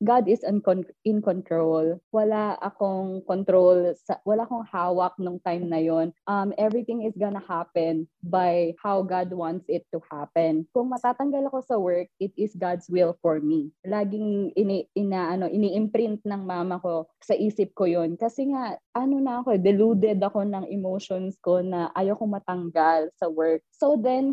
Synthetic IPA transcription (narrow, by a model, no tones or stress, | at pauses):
ɡad̪ɪsɐnkonɪnkont̪ɹolwɐlaʔɐ̰koŋkont̪ɾolsɐwɐlaʔɐko̞ŋhaːwɐk̚nʊŋt̪ajmnɐjonʔɐmʔɛvɹɪt̪ɪŋɪsɡɐnɐhapɛnbajhawɡad̪̚want̪sɪt̪ːuhapɛ̃nkʊŋmɐt̪aːt̪ɐŋɡɐlɐko̞sɐwɛɹk̚ɪt̪̚ɪsɡad̪swɪlfɔɹmilaːɡɪŋɪniɪnaːʔɐno̞ʔɪniːʔɪmpɾɪnt̪̚nɐŋmaːmɐko̞sɐʔiːsɪp̚kojonkɐsɛŋaʔʔɐnonɐɐkod̪ɛluːd̪ɛd̪ɐko̞nɐŋʔɛmowʃonsko̞nɐʔajokomɐt̪ɐŋɡalsɐwɛɹk̚sod̪ɛn